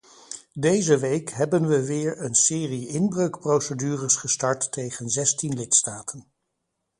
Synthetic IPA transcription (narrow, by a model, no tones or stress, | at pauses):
dejzəʋejkɦɛbənʋəʋɪːɹənsɪːriɪnbrøɥkprowsədyːrəsχəstɑɹtːejχənzɛstinlɪtstaːtʰən